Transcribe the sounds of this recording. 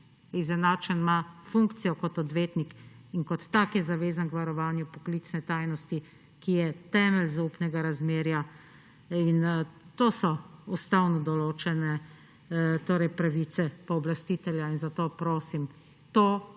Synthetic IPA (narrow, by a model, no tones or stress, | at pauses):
izɛnaːt͡ʃənmafuŋkt̪sijɔkɔt̪ɔd̪ʋeːt̪nikinkɔt̪ːakjɛzaʋeːzankʋaɾɔʋaːnjupɔkliːt̪snɛt̪aːjnɔst̪i | kijɛt̪ɛːmɛlzaupnɛɡaɾazmeːɾja | int̪oːsɔust̪aːwnɔd̪ɔloːt͡ʃɛnɛ | t̪oːɾɛjpɾaʋiːt̪sɛpɔːblast̪it̪ɛljainzat̪oːpɾoːsim | t̪oː